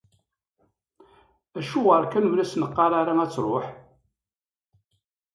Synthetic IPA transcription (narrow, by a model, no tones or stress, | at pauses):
æʃuʁəɾˤkænuvlæsnəqːɑɾˤaɾaæt͡sːɾˤoħ